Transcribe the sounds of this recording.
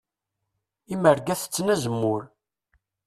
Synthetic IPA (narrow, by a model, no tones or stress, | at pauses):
iməɾɡæθə̥t͡sːnæzəmːʊɾ